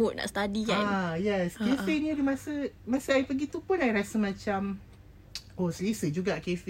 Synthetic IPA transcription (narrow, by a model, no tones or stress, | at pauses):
oʔ̚na̰ʔst̪adiɡajɛskefenidimãsəmãsəajpəɡit̪upʊnajɾasəmãt͡ʃam | osəlisəd͡ʒuɡakef